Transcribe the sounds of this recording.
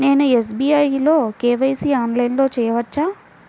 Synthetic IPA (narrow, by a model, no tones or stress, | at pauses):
ne̞ːnues̬biːɐjlo̞ːkeːʋɐjsiaːnlɐjnlo̞ːt͡ʃɛːjɐʋɐt͡ʃːaː